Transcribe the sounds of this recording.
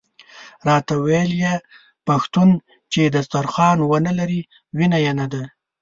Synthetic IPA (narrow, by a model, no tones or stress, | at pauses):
ɾɑt̪awelje | paxt̪un | t͡ʃed̪ast̪aɾxɑnwənalaɾi | winajenad̪a